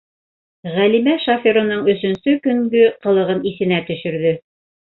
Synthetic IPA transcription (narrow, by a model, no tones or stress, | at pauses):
ʁælimæʃafʲeɾŏnɤɴɵ̆sɵ̆nsɵkɵ̆ŋɡɵqɤ̆lˠɤ̆ʁɤniθɘ̆næt̪ɵ̆ʃɵ̆ɾðɵ